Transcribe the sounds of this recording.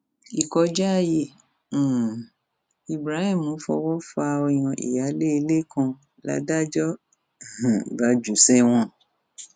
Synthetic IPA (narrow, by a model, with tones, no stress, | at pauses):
i˨kɔ˧d͡ʒa˦a˦˧jẽ˨˦˨ | i˨bɾa˨˦hĩː˦˨õ˨˦fɔ̰˧wɔ˦fa˧wi˨j̃ɔ̃˨˧˨ʔḭ˨ja˨˦le˦i˧le˦kã˧ | la̰˨˦da˦d͡ʒɔ̃˦˨ | ba˨˦d͡ʒu˨sɛ˦w̃ɔ̃˧